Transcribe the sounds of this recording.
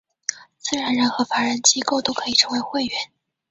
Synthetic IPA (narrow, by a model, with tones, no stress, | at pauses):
t͡sɹ̩˥˩ɻa˧˥nɻə˧˥nxɤ˧˥fa˧˥ɻə˧˥nt͡ɕi˥ko˥˩ʊt̪o˥ʊkʰɤ˧˥i˨˩ʈ͡ʂʰɤ˧˥ŋwe˧˥ɪxwe˥˩ɪɥɛ˧˥˦n